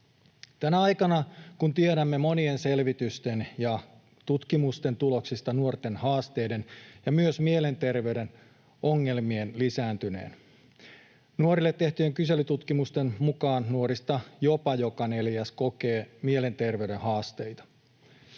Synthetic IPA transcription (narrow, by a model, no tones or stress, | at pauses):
t̪ænæɑjkɑnɑkunt̪ieɾæmːe̞mo̞nie̞nse̞lʋit̪yst̪e̞njɑ | t̪ut̪kimust̪e̞nt̪ulo̞ksist̪ɑnuort̪e̞nhɑːst̪e̞jde̞njɑmyøsmie̞le̞nt̪e̞rʋe̞yɥde̞n | o̞ŋːe̞lmienlisæːnt̪yne̞̰ːn | nuoɾilːet̪ːe̞ht̪yeŋkyse̞lyt̪ut̪kimust̪e̞nmukɑːnːuoɾist̪ɑjo̞pɑjo̞kɑne̞ljæsko̞keːmiele̞nt̪e̞rʋe̞yɥde̞nhɑːst̪e̞jt̪ɑ̥